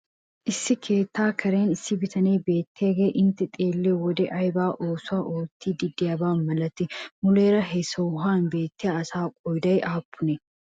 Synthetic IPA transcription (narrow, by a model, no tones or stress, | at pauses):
ʔɪsːɪkʰe̞ːt̪ːaːkʰɐɾeːnɪsːɪbɪt̪ʰɐneːbe̞ːt̪ʰːeːɡeːʔɪnt̪ːɪt̪ʼeːlːewɔd̪ɛʔɐjbaːʔoːsʊaːʔoːt̪ːiːd̪ɪd̪ːɪjɐbaːnmɐlɐt̪ːɪmʊleːɾɐɦɛsɔwɦaːnbe̞ːt̪ːɪjaɐsaːkʼɔjd̪ɐjʔaːpʰːʊnɛ